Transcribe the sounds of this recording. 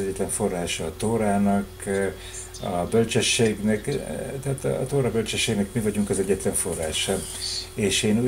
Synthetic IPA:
ɛɟːɛt̪lɛɱfo̞rːaːʃɒːt̪oːɾaːnɒk | ɒbølt͡ʃøʃːeːɡnɛkt̪ɛaːt̪ːt̪oːɾɒbølt͡ʃɛʃːeːɡnɛkmivɒɟuŋkɒzɛɟːɛt̪lɛɱfo̞rːaːʃɒeːʃeːnu

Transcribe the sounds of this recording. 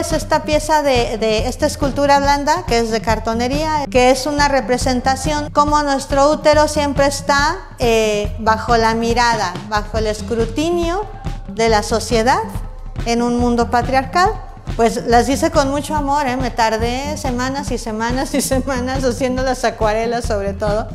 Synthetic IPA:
se̞st̪apje̞saðeðeest̪aeskult̪uɾaβlãnd̪akeezðe̞kaɾt̪o̞ne̞ɾiake̞esunare̞pɾe̞se̞nt̪asjo̞nko̞mo̞nwe̞st̪ɾo̞ut̪e̞ɾo̞sje̞mpɾe̞ːst̪a | eβaxo̞lamiɾað̞aβaxo̞ele̞skɾut̪injo̞ | ðe̞laso̞sje̞ðað | e̞nũnmũnd̪o̞pat̪ɾjaɾkal | pwe̞slazðise̞ko̞nmut͡ʃo̞amo̞ɾeme̞t̪aɾðe̞se̞mãnasise̞mãnasise̞mãnasasje̞nd̪o̞lasakwaɾe̞laso̞β̞ɾe̞t̪o̞ð̞o̞

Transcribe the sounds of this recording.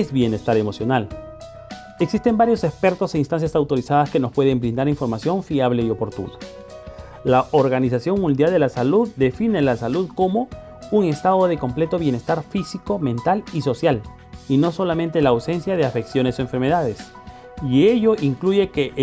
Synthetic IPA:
ezβje̞ne̞st̪aɾe̞mo̞sjo̞nal | eksist̪e̞mbaɾjo̞se̞kspe̞ɾt̪o̞seinst̪ans̬jasawt̪o̞ɾisaðaskeno̞spwe̞ðe̞mbɾind̪aɾiɱfo̞ɾmasjo̞ɱfiaβle̞io̞po̞ɾt̪ṵna | laʔoɾɣanisasjo̞ŋmũnd̪jald̪e̞lasaluðd̪e̞fine̞lasaluðko̞mo̞ | uŋe̞st̪aðo̞ðe̞ko̞mple̞t̪o̞βje̞ne̞st̪aɾfisiko̞mẽ̞nt̪aliso̞sjal | ino̞so̞lamẽ̞nt̪elaːwse̞nsjaðe̞afe̞ksjo̞ne̞so̞eɱfeɾme̞ðaðe̞s | ieʝo̞ʔiŋkluʝe̞keʔ

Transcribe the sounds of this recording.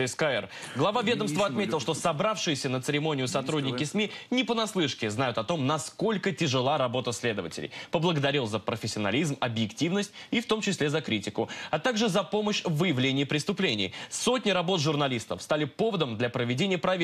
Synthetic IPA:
ɪskaɛr | ɡlˠɐvavʲe̞d̪əmst̪vəɐt̪mʲetʲɪlˠʂt̪osɐbɾafʂɨjɪsʲənət̪sɨɾʲɪmo̞nʲɪjʊsɐt̪ɾudʲnʲɪkʲɪsmʲinʲɪpənɐslˠɨʂkʲɪznajʊt̪ɐt̪o̞mnɐsko̞lʲkətʲɪʐɨlˠaɾɐbo̞t̪əsʲlʲe̞d̪əvə̰tʲɪ̰lʲɪ̰jpəblˠəɡəd̪ɐɾʲilˠzəpɾəfʲɪsʲːɪɐnɐ̰lʲizmɐbjɪktʲivnəsʲtʲift̪o̞mt͡ɕɪsʲlʲezɐkɾʲitʲɪkʊɐt̪aɡʐɨzɐpo̞məɕvɨjɪvlʲenʲɪjːpɾʲɪst̪ʊplʲenʲɪ̰jso̞tʲnʲɪɾɐbo̞t̪ʐʊrnɐlʲist̪əfst̪alʲɪpo̞vəd̪əmd̪lʲɐpɾəvʲɪdʲenʲɪjəpɾɐvʲ

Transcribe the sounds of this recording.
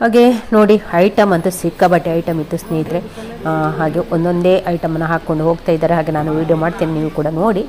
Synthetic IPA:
haːɡe̞no̞ːɽiɐjʈɐmɐnt̪ɐsikːɐbɐʈːeɐjʈɐmit̪ːusneːjid̪ɾe̞ | ɦaːɡe̞ʔond̪o̞nd̪e̞ːʔɐjʈɐmɐnːɐɦaːkːo̞ɳɖuɦo̞ːɡt̪aːjid̪ːaːɾeɦaːɡe̞naːnuʋiːɖjomaːɽt̪iːniniːʋukuːɽɐnoːɽi

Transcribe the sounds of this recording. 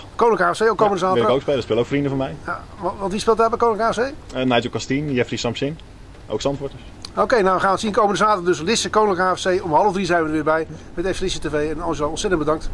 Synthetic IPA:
kownɪŋkaːɛsejokːowməndəzaːtɪkowkspeːləspɪləowkfrindəvɔnmɛjjaʋʋɑtʋispɪlˠtɛbɛkownɪŋkaːsejnajokastinjɛfrisɑmpsɪn | o̰wksɑntʋɔɹtəs | okejnawʋəχaːnʋətsinkowməndəzaːtərdøslɪsəkownɪlkaːɛfsejɔmɦɑlˠəvdrizɛjnʋədəʋɪːbɛjmɛteslɪsətevejɛnɔnʒlaɔnsɛtəndbədɑŋkt

